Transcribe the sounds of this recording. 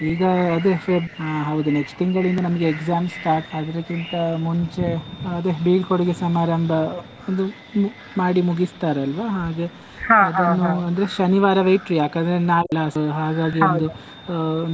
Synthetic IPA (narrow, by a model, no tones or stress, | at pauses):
iːɡɐːd̪efeɦɐʋud̪uneksʈt̪ʰiŋɡɐɭind̪ɐnɐmɐɡeːkzaːmsʈaːɾʈsɐd̪ɐɾɐkint̪ɐmuɲt͡ʃe̞ɐd̪ebiːɡkoɽuɡesɐmaːɾɐmbʱɐ | ond̪u | maːɽimuɡist̪aːɾɐlʋɐɦaːɡe | ɐd̪ɐnːuɐnd̪ɐɾeʃɐniʋaːɾɐʋɐjʈɾijaːkand̪ɐɾenaːlːɐɦaːɡaːɡiond̪u